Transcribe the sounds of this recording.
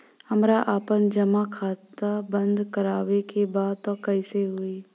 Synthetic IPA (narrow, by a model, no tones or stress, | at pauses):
hɐmɾaʔaːpənd͡ʒɐmakʰaːt̪abə̃nd̪kəɾaːwekebaːd̪̚t̪ɔkɐiseɦʊi